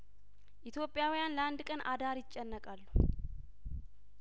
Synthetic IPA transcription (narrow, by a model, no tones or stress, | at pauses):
ʔit̪ʰjo̞pʼːjawjanləʔand̪kʼənʔad̪aɾjɪt͡ʃʼːɛnːəkʼalːu